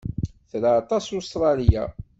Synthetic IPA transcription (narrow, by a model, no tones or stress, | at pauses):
θɾaːt̪ˤɑsust̪ɾˤɑlija̰